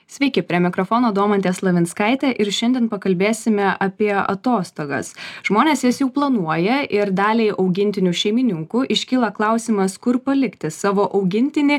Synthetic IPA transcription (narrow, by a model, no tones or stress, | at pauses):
sʲʋʲɛɪkʲɪpʲɾʲiɛmʲɪkɾofoːnoːd̪uɔmɐnt̪ʲeːslˠɐʋʲɪnskɐɪt̪ʲɛʔɪɾʃʲɛnd̪ʲiɛnpɐkɐlʲbʲeːsʲɪmʲɛʔɐpʲiɛɐ̰t̪oːst̪oːɡɐ̰sʒ̥moːnʲeːsjɪsjɛʊplˠɐnuɔjɛʔɪɾd̪ɑːlʲɛɪʔɒʊɡʲɪnʲt̪ʲɪnʲuʃʲɛɪmʲɪnʲɪŋkuʔɪʃʲkʲiːlˠɐklˠɑˑʊsʲimɐskʊɾpɐlʲɪkt̪ʲɪsɑːʋoːʔɐʊɡʲɪnʲt̪ʲɪnʲɪ